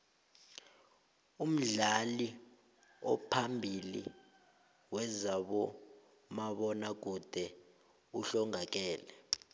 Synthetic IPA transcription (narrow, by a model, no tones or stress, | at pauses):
um̩ɮali | ɔpʰambʱilḭ | wɛzaɓɔ | maɓɔnak̬ud̥ʱɛ | uɬɔŋak̬ɛːlɛ